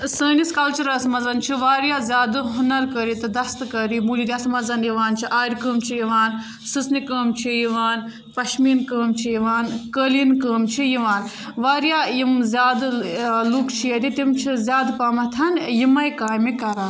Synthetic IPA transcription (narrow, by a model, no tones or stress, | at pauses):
səːniskɐlt͡ʃuɾɐsmɐzɐnt͡ʃʰiʋaːɾjaːzʲjaːd̪ɨɦunɐɾkɐɾit̪ɨd̪ɐst̪ɨkɐɾimuːlid̪ʲiɐsmɐzɐnjiʋaːnt͡ʃʰiʔaːɾʲkəːmt͡ʃʰijiʋaːn | sɨsnikəːmt͡ʃʰijiʋaːn | pɐʃminkəːmt͡ʃʰijiʋaːnkəlinkəːmt͡ʃʰijiʋaːn | ʋaːɾjajimzʲjaːd̪lukt͡ʃʰijɐd̪it̪imt͡ʃʰizʲjaːd̪paːmɐt̪ʰɐnjimɐjkaːjmikɐɾaːn